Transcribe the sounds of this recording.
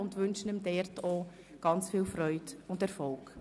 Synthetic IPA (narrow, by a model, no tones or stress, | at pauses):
ʊndʋʏnʃənəmdɛɾtʰoː | ɡ̥ɑnt͡sfiːlfɾœʏdʊndɛɾfɔlk